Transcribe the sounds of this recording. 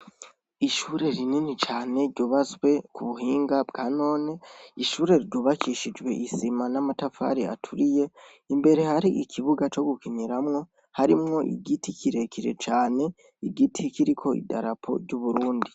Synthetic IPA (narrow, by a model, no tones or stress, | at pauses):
iʃuɾe̞ɾininit͡ʃaːne̞ɾɟuːβazwe̞kʰuβuɦiːŋɡabɡano̞ːne̞iʃuːɾe̞ɾɟuβakiʃid͡ʒɡwe̞ʔisimanamatafa̰ɾia̰tʰuɾije̞ | imbe̞ɾe̞haɾiʔikʰiβuɡat͡ʃo̞ɡukiɲiɾamŋo̞ | haɾimŋo̞ʔḭɡitikʰiɾe̞kʰiɾe̞̰t͡ʃaːne̞ | iɡitʰikiɾikʰo̞ḭda̰ɾapʰo̞̰ɾɟuβuɾuːndi